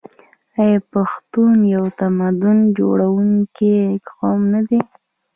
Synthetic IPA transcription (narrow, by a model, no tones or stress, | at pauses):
ajpaxt̪unjawt̪amad̪ʊnd͡ʒo̰ɽawuŋkit̪qɑmnad̪i